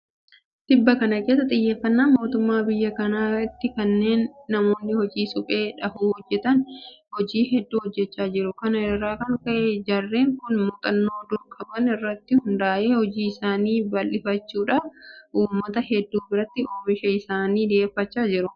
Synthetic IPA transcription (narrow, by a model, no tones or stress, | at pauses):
t̪ɪbːɐkɐnɐke̞ːs̬ːɐt̪ʼɪjːe̞ːfːɐnːaːnmo̞ːt̪ʊmːaːbɪjːɐkɐnaːɪt̪ːɪkɐnːe̞ːnːɐmo̞ːnːɪhɔd͡ʒiːsʊpʼe̞ːᶑɐhuːhɔd͡ʒːɛt̪ɐnhɔd͡ʒiːhɛd̪ːuːhɔd͡ʒːɛt͡ʃːaːd͡ʒɪɾʊkɐnɐɪrːaːkɐŋkɐʔed͡ʒɐrːe̞ːŋkʊnmʊt̪ʼɐnːo̞ːd̪ʊlkʼːɐbɐnɪrːɐt̪ːɪhʊnd̪aːʔe̞ːhɔd͡ʒiːɪsaːniːbɐlʔɪfɐt͡ʃːuːᶑaːfʔuːmːɐt̪ɐhɛd̪ːuːbɪɾɐt̪ːɪoːbɪʃɐɪsaːniːd̪e̞ːfːɐt͡ʃːaːd͡ʒɪɾʊ